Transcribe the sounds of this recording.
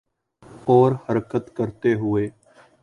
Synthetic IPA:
ɔːɾhəɾkət̪kəɾt̪eːɦʊeː

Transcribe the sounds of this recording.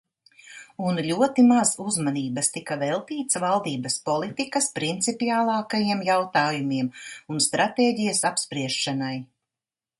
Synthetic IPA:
unʎʲuɔt̪imazuzmaniːbɐst̪ikavɛlˠt̪iːt̪svalˠd̪iːbɐspɔlˠit̪ikɐspɾint̪sipiaːlˠɑːkajiɛmjawt̪aːjumiɛmunst̪ɾat̪eːɟijɐsapspɾiɛʃːanaj

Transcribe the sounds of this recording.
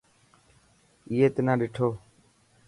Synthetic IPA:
iːeːt̪enãːɗɪʈʰoː

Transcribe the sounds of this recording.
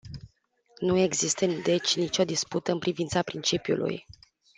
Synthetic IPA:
nue̞ɡzist̪əd̪e̞t͡ʃʲnit͡ʃʲo̞d̪isput̪əɨnpɾivint̪sapɾint͡ʃipjṵlʔṵj

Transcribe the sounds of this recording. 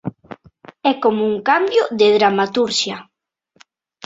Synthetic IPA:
ɛkomouŋkambjʊðɪð̞ɾamat̪uɾʃja

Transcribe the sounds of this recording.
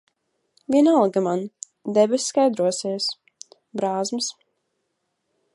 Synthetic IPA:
vʲiɛnalˠɡaman | d̪ɛbɛsʲskajd̪ɾuɔsiɛs | bɾaːzmɨs

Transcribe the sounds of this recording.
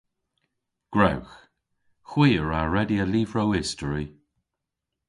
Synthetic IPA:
ɡ̥ɹawx | xwiːəɹaɹɛdiəliːvɹowɪstəɹi

